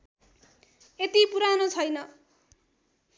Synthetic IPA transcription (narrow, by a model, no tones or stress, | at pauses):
et̪ipuɾanot͡sʰʌjnʌ